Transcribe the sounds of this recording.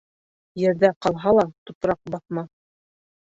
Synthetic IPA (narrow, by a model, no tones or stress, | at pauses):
jɘ̆ɾðæqɑlˠɦɑlˠɑt̪up̪ɾɑq̚bɑθmɑ